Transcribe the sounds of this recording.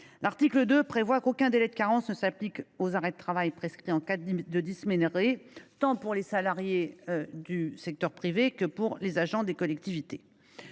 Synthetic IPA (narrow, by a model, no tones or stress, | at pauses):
laʁt̪ikləd̪øpχevwakokʲɛ̃d̪elɛd̪əkaʁɑ̃snəsaplikozaʁɛd̪ət̪χavajpχeskχiɑ̃kad̪əd̪ismeneʁet̪ɑ̃puʁlesalaʁjed̪ysɛk̚t̪œʁpχivekəpuʁlezaʒɑ̃d̪ekɔlɛk̚t̪ivit̪e